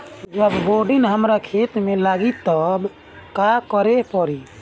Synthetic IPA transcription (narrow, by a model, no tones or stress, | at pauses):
d͡ʒəbboɖinɦəmɾakʰet̪melaɡit̪ɔb | kakəɾepəɾi